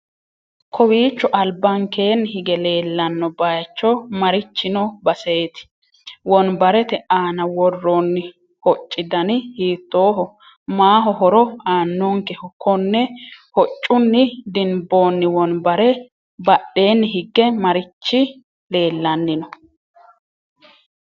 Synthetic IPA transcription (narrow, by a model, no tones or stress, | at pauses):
kʰɔwiːt͡ʃːɔʔɐlbɐŋkeːnːhɪɡɛle̞ːlːɐnːɔbɐjɐt͡ʃːɔmɐɾɪt͡ʃːɪnɔbɐseːt̪ɪ̥ | wɔnbɐɾɛt̪ɛʔaːnɐwɔrːoːnːɪ | hɔt͡ʃʼːɪd̪ɐnɪhiːt̪ːoːhɔ | maːɦɔɦɔɾɔaːnːoːŋkɛhɔkʰːɔnːɛhɔt͡ʃʼːʊnːɪd̪ɪnbo̞ːnːɪwɔnbɐɾɛ | bɐɗːe̞ːnːɪɦɪɡːɛmɐɾɪt͡ʃːɪ | le̞ːlːɐnːɪnɔ